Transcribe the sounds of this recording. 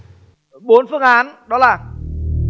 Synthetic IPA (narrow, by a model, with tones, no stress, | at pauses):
ɓo˨˦nfɨ˧əŋʔaː˨˦nɗɔ˨˦laː˨˩